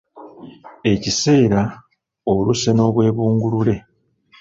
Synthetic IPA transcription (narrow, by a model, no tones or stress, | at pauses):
e̞cise̞ːɾa | oluseno̞ːβwe̞ːβuːŋɡulule̞